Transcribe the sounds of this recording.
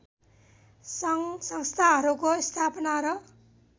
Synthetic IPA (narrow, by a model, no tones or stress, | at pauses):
sʌŋsʌŋst̪ʰaɦʌɾukost̪ʰapʌnaɾʌ